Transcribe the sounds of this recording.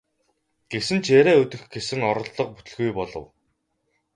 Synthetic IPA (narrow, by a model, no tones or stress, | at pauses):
ɡ̥esɘ̆nt͡ɕʰeɾæːɵt̪ɵ̆xɡesɘ̆ŋɔɾɞ̆ɮːɞ̆q̚pu̥t̪ɵ̆ɮɣujpɔɮɞ̰̆w